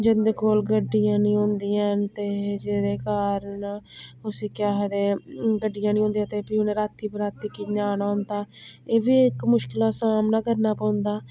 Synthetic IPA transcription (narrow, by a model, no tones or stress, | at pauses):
d͡ʒed̪eːkoːlɡəɖːɪjãːnĩːɦõːnd̪iːãːt̪eːd͡ʒeːd̪eːkaːɾənʊsiːkɪjaːɦed̪eːɡəɖːɪjãːnĩːõːnd̪ĩjãːt̪eːpiːʊnẽːɾaːt̪ʰːiːpəɾaːt̪ːiːkiɲaːnaːʊnd̪aːeːʋiːɪkmʊʃkɪlaːsaːmnaːkəɾnaːpãːʊnd̪aː